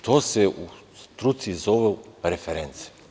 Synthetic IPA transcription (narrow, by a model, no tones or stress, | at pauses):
t̪ʰoːseu | st̪ɾut̪sizoʋeɾefeɾent̪se̥